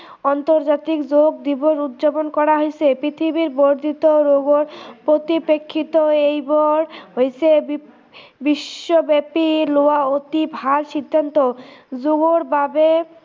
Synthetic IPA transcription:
ɔnt̪oɾd͡ʑat̪ikd͡ʑoɡ̚d̪iboɾut̪ːd͡ʑaponkɔɾaɦojet͡ɕʰepɾit̪ʰibiɾboɾd̪ʱit̪oɾoɡoɾpɾot̪ipekʰːit̪oejboɽɦojt͡ɕʰe | biʃːobɛpiloaot̪ibʱaɾʃid̪ʱːant̪od͡ʑoɡoɾbabe

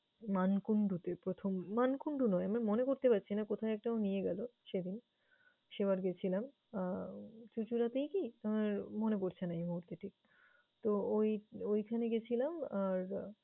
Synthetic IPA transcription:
mankuɳɖut̪epɾot̪ʰomːankuɳɖunɔeamamonekoɾt̪epat̪ːɕʰinakot̪ʰaeɛk̚ʈaonijeɡɛloʃed̪in | ʃebaɾɡet͡ɕʰilam | t͡ɕut͡ɕuɾat̪ejkiamaɾmonepoɾt͡ɕʰenaejmuɦuɾt̪eʈʰik̚ | t̪oojojkʰaneɡet͡ɕʰilamaɾ

